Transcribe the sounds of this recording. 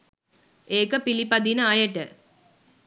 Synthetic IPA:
eːkəpilipɐd̪inəajɐʈə

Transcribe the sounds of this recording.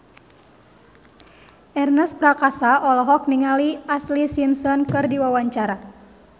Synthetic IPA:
ʔɛrnəspɾakasaʔɔlɔɦɔk̚niŋaliʔaslisimsɔnkɨrdiwawaɲt͡ʃaɾa

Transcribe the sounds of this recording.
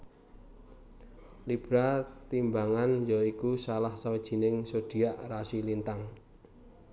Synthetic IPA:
lib̥ɾat̪imbaŋanjɔikusalahsawid̥ʒ̥i̤nɪŋsod̥i̤aʔrasilint̪aŋ

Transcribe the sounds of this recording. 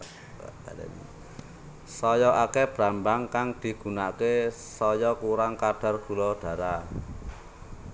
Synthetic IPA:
al̰n | sɔjɔʔakeb̥ɾambaŋkaŋd̪̥i̤ɡ̥ṳnake | sɔjɔkuɾaŋkaɖ̥a̤rɡ̥ṳlɔɖ̥a̤ɾa

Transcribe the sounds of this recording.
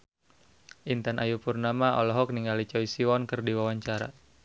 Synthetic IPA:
ʔint̪anʔajupurnamaɔ̰lɔɦɔk̚niŋɡalit͡ʃɔisiwɔnkɨrdiwawaɲt͡ʃaɾa̰

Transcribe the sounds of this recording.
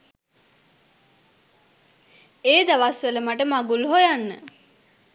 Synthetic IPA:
eːd̪aʋasʋələmaʈəmaɡulɦojanːə̰

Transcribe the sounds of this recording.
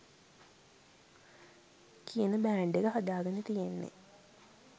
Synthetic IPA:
kʰiənəbæːɳɖekəɦɐd̪aːɡɐnet̪ijenːḛ

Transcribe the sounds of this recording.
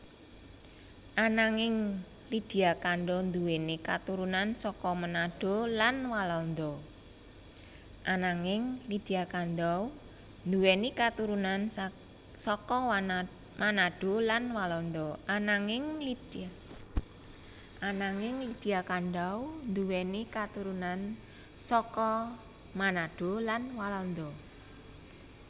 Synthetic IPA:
ʔanaŋɪŋ | lid̪̥i̤akanɖ̪ɔnd̪uwenikat̪uɾunansɔkɔmənaɖ̥o̤lanwalɔnd̪ɔ | ʔanaŋɪŋlid̥iakand̪aw | nd̪uwenikat̪uɾunan | sɔkɔ | mʔanaɖ̥o̤lanwalɔnd̪ɔʔanaŋɪŋlid | ʔanaŋɪŋlid̥iakand̪awnd̪uwɛnikat̪uɾunan | sɔkɔ | manaɖ̥o̤lanwalɔnd̪ɔ

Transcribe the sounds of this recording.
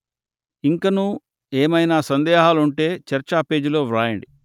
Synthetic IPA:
iŋkɐnuː | eːmɐjnaːsɐnd̪ɛːɦaːluɳʈe̞ːt͡ʃɐɾt͡ʃaːpe̞ːd͡ʒilo̞ːʋɾaːjɐɳɖi

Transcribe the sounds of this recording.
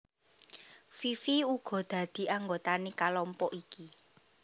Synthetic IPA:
fifiuɡ̥ɔ̤d̪̥ä̤d̪̥i̤ʔaŋɡot̪anekalɔmpɔʔiki

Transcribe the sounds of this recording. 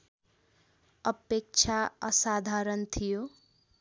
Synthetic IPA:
ʌpek̚t͡ʃʰaʌsad̪ʱaɾʌnt̪ʰijo

